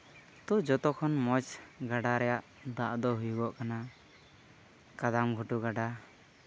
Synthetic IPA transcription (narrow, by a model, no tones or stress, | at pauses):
t̪ud͡ʒɔt̪ɔkʰɔnmɔt͡ʃɡaɖaɾɛjaʔ | d̪aʔd̪ɔɦujuɡɔʔkana | kad̪amɡʱuʈuɡaɖa